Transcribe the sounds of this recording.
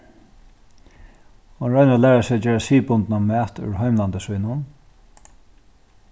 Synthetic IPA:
hʊnɾœjnalæːɹasɪd͡ʒɛːɹasiːpʊnt̪namæːt̪ʏ̰ɹɦɔjmlant̪əsʋujnʊn

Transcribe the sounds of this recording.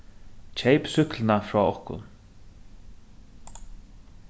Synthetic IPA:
t͡ʃʰejpsʏhklɪnafɾɔːɔhkʊ̰n

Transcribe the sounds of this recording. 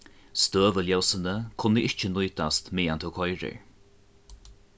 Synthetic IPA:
st̪øːvəljawsənəkʰʊnəɪʃt͡ʃənujd̪ast̪miːant̪ʰokʰɔjɹə̰ɹ

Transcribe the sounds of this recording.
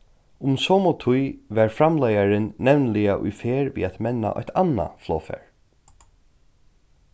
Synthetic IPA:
ʊmsɔːmɔt̪ʰʊjvɛːɹfɾamlajaɾɪnːɛvnlɪaʔʊ̰jfeːɹvḭːat̪mɛnːa̰ʔɔ̰ht̪ʰanːa̰flɔːfɛ̰ɹ

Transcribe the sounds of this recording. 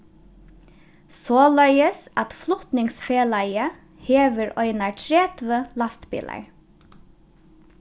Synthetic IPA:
soːlœʏəsɑt̪flʊt̪nɪŋsfeːlɑɪə | heːʋəɹʔœʏnɑɹʈʰɹeːt̪ʰʋəlɑst̪bɪ̰lʔɑ̰ɹ

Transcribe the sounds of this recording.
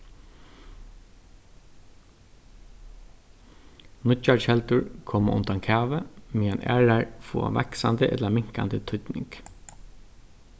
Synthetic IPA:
nʊt͡ʃahɛlt̪ʊɹkʰɔːmʔʊ̰nt̪ankʰæːʋəmianʔæ̰ːɹaɹfṵːa̰ʋa̰ksa̰nd̪əʔɛt̪lamɪŋ̥ka̰nd̪ət̪ʰʏt̪nɪ̰ŋk

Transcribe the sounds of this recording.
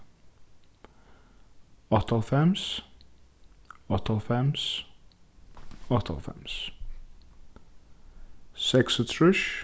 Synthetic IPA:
ɔtʰəlˠfɛms | ɔt̪ʰəlˠfɛms | ɔt̪ʰə̰lˠfɛ̰̃ms | sɛksət̪ʰɹɪʃ

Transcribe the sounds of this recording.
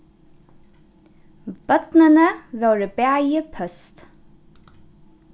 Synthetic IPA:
b̥œt̪nɪnəvœwɾɪbæːjɪpʰœst̪

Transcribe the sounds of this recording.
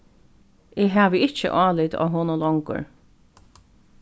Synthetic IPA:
ɪːɦaːʋəɪt͡ʃə̰ʔɑːlɪt̪ɔ̰ːɦoːnʊlɔŋkʊ̰ɹ

